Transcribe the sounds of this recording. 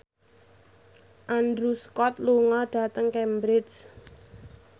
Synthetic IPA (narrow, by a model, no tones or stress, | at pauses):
ʔandɾuskɔt̪̚luŋɔɖ̥ä̤t̪əŋkɛmbɾɪd͡ʒ